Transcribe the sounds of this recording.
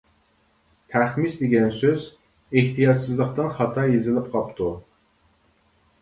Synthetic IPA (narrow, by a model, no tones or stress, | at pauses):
t̪ʰæχmisd̪ɪɡʲɛnsøz | eht̪ʰijɑd͡ʒsɨzlˠəqt̪ɨnχɑt̪ʰɑjezɪlɪp̚qʰɑpt̪ʰu